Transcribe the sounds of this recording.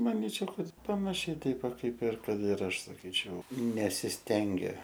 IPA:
mɐˈnʲiːt͡ʃʲɛʊ ˈkɐt pɐnɐˈʃʲɛɪ ˈtʲɛɪp ˈʋɐ ˈkɐɪp ɪr ˈkɐt ɪr ˈɐʃ sɐˈkʲiːt͡ʃʲɛʊ nʲɛsʲɪsʲˈtʲɛŋʲɡʲɛ

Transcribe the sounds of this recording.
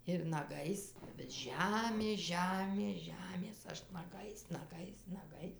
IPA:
ɪr nɐˈɡɐɪs bʲɛt ˈʒʲæːmʲeːs ˈʒʲæːmʲeːs ˈʒʲæːmʲeːs ˈɐʃ nɐˈɡɐɪs nɐˈɡɐɪs nɐˈɡɐɪs

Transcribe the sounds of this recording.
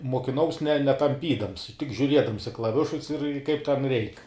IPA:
moːkʲɪˈnɐʊs nʲɛ nʲɛtɐmʲˈpʲiːdɐms tʲɪk ʒʲʊˈrʲiɛdɐms ɪ klˠɐˈʋʲɪʃʊs ɪr kɐɪp tʲɛn ˈrʲɛɪk

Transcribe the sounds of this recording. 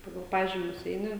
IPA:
ˈpɑːɡɐlˠ ˈpɑːʒʲiːmʲʊs ˈɛɪnʲɪ

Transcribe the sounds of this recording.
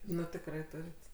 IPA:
ˈnʊ tʲɪkˈrɐɪ ˈtʊrʲɪt

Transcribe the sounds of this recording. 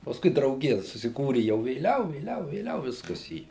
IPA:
pɐsˈkʊɪ drɐʊˈɡʲɪjɛ sʊsʲɪˈkuːrʲɪ jɛʊ ʋʲeːˈlʲɛʊ ʋʲeːˈlʲɛʊ ʋʲeːˈlʲɛʊ ˈʋʲɪskɐs iː

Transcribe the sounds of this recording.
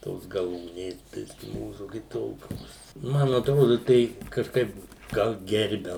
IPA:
ˈtoːs ɡɐˈlˠuːnʲeːs ˈbʲɪsʲkʲɪ ˈmuːsʊ kʲɪˈtoːkʲoːs ˈmɐn ɐtˈroːdʊ tʲɛɪ kɐʃˈkɐɪp ˈɡɐlˠ ˈɡʲɛrʲbʲɛ

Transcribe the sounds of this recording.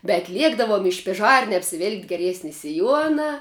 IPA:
bʲɛt ˈlʲiɛɡdɐʋoːm ɪ ʃʲpʲɪˈʒɐrʲnʲɛ ɐpʲsʲɪˈʋʲɪlʲkʲɪ ɡʲɛˈrʲiɛsʲnʲɪ sʲɪˈjuɔnɐ

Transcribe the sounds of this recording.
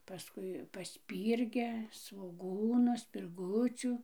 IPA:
pɐˈskʊɪ pɐˈsʲpʲiːrʲɡʲɛ sʋoːˈɡuːnʊ sʲpʲɪrˈɡʊt͡sʲuː

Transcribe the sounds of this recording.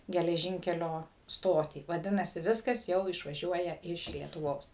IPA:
ɡʲɛlʲɛˈʒʲiːŋʲkʲɛlʲoː ˈstoːtʲiː ʋɐˈdʲɪnɐsʲɪ ˈʋʲɪskɐs ˈjɛʊ ɪʃʋɐˈʒʲuɔjɛ ˈɪʃ lʲiɛtʊˈʋoːs

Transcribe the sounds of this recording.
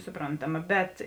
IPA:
sʊˈproːntɐˌmɐ bʲɛt

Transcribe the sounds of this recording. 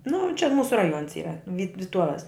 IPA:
nʊ t͡ʃʲɛ ˈmuːsʊ rɐˈjuɔns ˈiːrɐ ʋʲiːt ʋʲɪˈtuɔʋʲɛs

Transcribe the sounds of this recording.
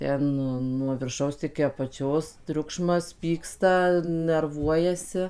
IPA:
ˈtʲɛn ˈnʊ nuɔ ʋʲɪrˈʃɐʊs ɪkʲɪ ɐpɐˈt͡ʃʲoːs ˈtʲrʲʊkʃmɐs ˈpʲiːkstɐ nʲɛrˈʋuɔjɛsʲɪ

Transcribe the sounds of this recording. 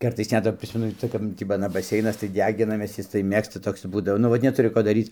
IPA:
ˈkɐrtɐɪs ˈnʲɛt ʋɐ ˈpʲrʲɪsʲmʲɛnʊ ˈt͡sɐ kɐp ˈtʲiː p ɐˈnɐ bɐˈsʲɛɪnɐs tɐɪ ˈdʲæːɡʲɪnɐmʲeːs ˈjɪs tɐɪ ˈmʲeːkstɐ ˈtoːks ˈbuːdɐʋoː nʊ ˈʋɐt nʲɛˈtʊrʲɪ ˈkoː dɐˈrʲiːt͡s

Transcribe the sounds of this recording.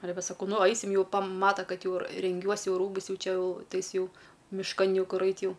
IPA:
ɐˈlʲɛ ˈʋʲɛ sɐˈkɐʊ ˈnʊ ˈɐɪsʲɪm juː pɐˈmɑːtɐ ˈkɐt ˈjɛʊ rʲɛŋʲˈɡʲuɔs ˈjɛʊ ˈruːbʊs ˈjɛʊ ˈt͡ʃʲɛ jɛʊ ˈtɐɪ ˈjɪs ˈjɛʊ mʲɪʃˈkɐn ˈjɛʊ ˈkʊr ˈɐɪt ˈjɛʊ

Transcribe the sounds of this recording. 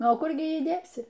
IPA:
ˈnʊ oː ˈkʊr ɡʲɪ ˈjiː ˈdʲeːsʲɪ

